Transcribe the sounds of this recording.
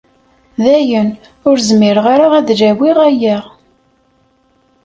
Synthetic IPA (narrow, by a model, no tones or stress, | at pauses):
ðæjən | ʊɾzmiɾəʁaɾaʁæðd͡ʒæwiʁæjæʁ